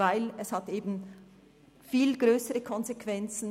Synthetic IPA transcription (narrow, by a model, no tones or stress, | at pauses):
aɪlɛshɑteːbn̩ | fiːlɡʁøːsəʁəkʰɔnzekv̥ɛnt͡sn̩